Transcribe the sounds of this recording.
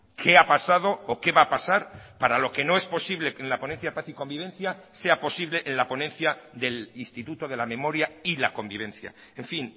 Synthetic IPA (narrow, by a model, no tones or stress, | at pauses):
kʰe̞apasað̞o̞ːke̞βaːpasaɾpaɾalo̞ke̞no̞e̞spo̞siβle̞kenlapo̞nenθjaðpaθiko̞mbiβ̞e̞nθjase̞apo̞siβle̞ʔenlapo̞nẽ̞nθjaðe̞linst̪it̪ut̪o̞ðe̞lamẽ̞mo̞ɾjailako̞mbiβ̞e̞nθja̰ | eɱfin